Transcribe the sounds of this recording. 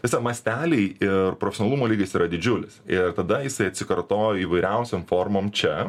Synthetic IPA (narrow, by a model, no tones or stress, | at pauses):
t̪ʲɛsɑːkmɐsʲt̪ʲæːlʲɛɪʔɪrpɾofʲɛsʲoːnɐlˠumoːlʲiːɡʲɐsiːɾɐd̪ʲɪd͡ʒʲʊlʲɪsɪrt̪ɐd̪ɐjɪsɐɪɐt̪ʲsʲɪkɐɾt̪oːjoiːʋɐɪɾʲɛʊsʲoːmfoːɾmoːmt͡ʃʲɛ